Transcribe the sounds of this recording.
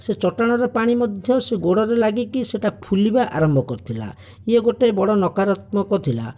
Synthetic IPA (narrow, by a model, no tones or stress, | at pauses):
set͡ʃɔʈaɽ̃aɾɔpaɽ̃imɔd̪ʱjɔseɡoɽɔɾelaɡikiseʈapʰulibaʔa̰ɾɔmbʱɔkɔɾt̪ʰila̰ | jeɡoʈebɔɽɔnɔkaɾat̪̚mɔkɔt̪ʰila̰